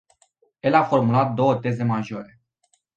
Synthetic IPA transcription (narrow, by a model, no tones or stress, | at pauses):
e̞lafo̞rmulat̪̚d̪o̞wət̪e̞ze̞maʒo̞ɾe̞